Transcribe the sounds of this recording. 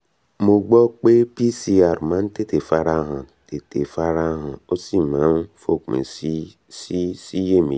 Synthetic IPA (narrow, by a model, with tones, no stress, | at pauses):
mo˨ɡ͡bɔ˦k͡pe˦pi˦si˦a˨ɾma˦n̩˦te˦te˨fa˦ɾa˦ɦa˨ | te˨te˨fa˦ɾa˦ɦa˨o˦si˦˨ma˨˦n˦fo˦˨kmḛ˨˦ | ssi˦je˦mḭ˨